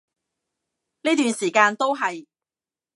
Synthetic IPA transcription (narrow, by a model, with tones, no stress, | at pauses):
niː˥t̪yː˨nsiː˨˩kaː˧nt̪o˥wɦɐ˨j